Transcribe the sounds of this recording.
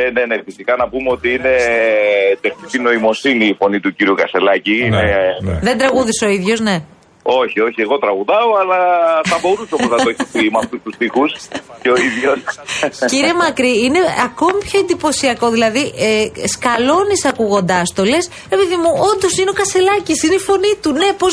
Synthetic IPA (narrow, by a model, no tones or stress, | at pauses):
nene̞nefisikɐnɐpumeo̞t̪iine̞ | t̪exnicino̞imo̞siniːfo̞nit̪uciɾiukɐst̪e̞lɐciineðe̞nd̪ɾɐɣuðiso̞iðʝo̞zne̞ | o̞çio̞çie̞ɣo̞t̪ɾɐɣuðɐoɐlɐθɐbo̞ɾusopusɐoeçipimɐft̪ust̪ust̪ixusceoiðʝo̞sciɾiemɐkɾiine̞ɐko̞mipço̞end̪ipo̞siɐko̞ðilɐðiʔeskɐlo̞nisɐkuɣo̞nd̪ɐst̪ole̞s | epiðimuo̞nd̪o̞sineo̞kɐst̪e̞lɐcisineifo̞nit̪une̞pos